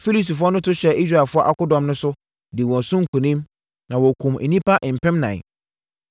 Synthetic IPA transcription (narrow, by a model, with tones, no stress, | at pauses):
fi˦li˦si˨fʊ˦ɔ˦nʊ̃˦tʊ˦ɕɛ˨i˦s̬ɾa˨fʊ˦ɔ˦ʔa˦kʊ˦dɔ̃˨mnʊ̃˦sʊ˦ | dɪ˨wɔ̃˨nsʊ̃˦ŋ̩˨kʰũ˨nĩ˦m | nã˨wɔ˨kʰũ˨mḛ˨nĩ˦pʰa˦ʔɪ̃˨m̩˨pʰɛ̃˦mnã̰˨